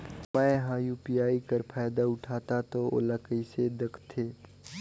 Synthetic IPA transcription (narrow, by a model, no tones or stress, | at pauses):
mɛ̃ɦaːjuːpijaːikəɾpʰaːjd̪aʊʈʰaːt̪at̪oo̰ːləkəised̪əkʰt̪ʰeː